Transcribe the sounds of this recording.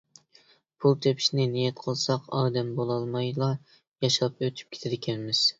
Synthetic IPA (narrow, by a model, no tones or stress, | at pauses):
pʰulˠt̪ʰøpʰi̥ʃnɪnijɛt̪qʰəlˠsɑqɑːd̪ɛmbolˠɑlˠmɑjlˠɑ | jɑʃlˠpøt̪ʰy̥p̚kʲʰe̥t̪ʰɪɾɪkʲʰɛnmɪz̥